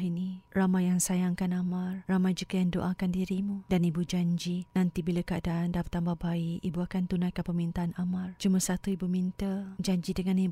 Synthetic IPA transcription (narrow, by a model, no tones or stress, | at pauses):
iniramajjaŋsajaŋkanamarːamajd͡ʒukajaŋdoʔakandiɾimudanibud͡ʒaɲd͡ʒinant̪ibilakaadaʔandabət̪ambahbaiibuakant̪unajkəpəmint̪aːnamard͡ʒumasat̪uibumint̪əd͡ʒaɲd͡ʒidəŋani